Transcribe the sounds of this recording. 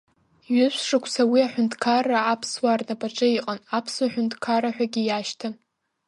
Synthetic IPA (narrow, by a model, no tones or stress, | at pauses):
ɥʊʃʷʂɨkʷʰsawiaħʷᶣʊntʰkʰarːaːpʰswaːrnapʼaʈ͡ʂʼɨiqʼanapʰsaħʷᶣʊntʰkʰaɾaħʷᶣaɡʲijaʃtʰan